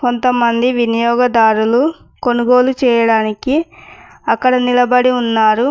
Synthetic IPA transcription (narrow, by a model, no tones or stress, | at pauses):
ko̞nt̪ɐmɐnd̪iʋinijɔːɡɐd̪aːɾulu | ko̞nuɡo̞ːlut͡ʃɛːjɐɽaːniki | ɐkːɐɽɐnilɐbɐɽiunːaːɾu